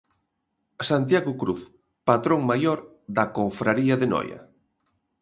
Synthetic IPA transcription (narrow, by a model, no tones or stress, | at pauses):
sant̪̬jaɣʊkɾuθ | pat̪ɾoŋmajoɾ | ðɐkoɱfɾaɾiɐðenɔ̰jɐ̰